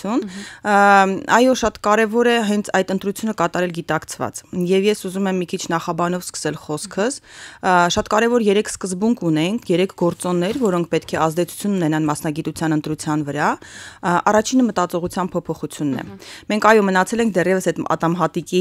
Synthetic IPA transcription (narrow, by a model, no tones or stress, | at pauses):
jun | ɑjɔʃɑt̪kɑɾɛvɔɾɛɦɛnt͡sʰɑjt̪ənt̪ɾut͡sʰjunəkɑt̪ɑɾɛlɡit̪ɑkt͡sʰvɑ̰t͡sjɛvjɛsuzumɛmːikʰit͡ʃʰnɑχɑbɑnɔvskʰə̥sɛlχɔskʰəs | ʃɑt̪kɑɾɛvɔɾjɛɾɛkʰskəzbuŋkʰunɛŋkʰjɛɾɛkʰɡɔɾt͡sɔnːɛɾvɔɾɔŋkʰpɛt̪kʰɛɑzd̪ɛt͡sʰu̥t͡sʰjununɛnɑnmɑsnɑɡit̪ut͡sʰjɑnənt̪ɾut͡sʰjɑnvəɾɑ | ɑrɑt͡ʃʰinəmət̪ɑt͡sɔʁut͡sʰjɑnpʰɔpʰɔχut͡sʰjunːɛ̰mɛŋkʰɑjɔmənɑt͡sʰɛlɛŋkʰd̪ɛrjɛvəsɛt̪ɑ̰t̪ɑmɦɑt̪iki